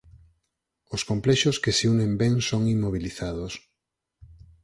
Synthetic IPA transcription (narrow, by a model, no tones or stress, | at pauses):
oskomplɛʃoskeseunẽmbɛŋsoŋimːoβiliθaðos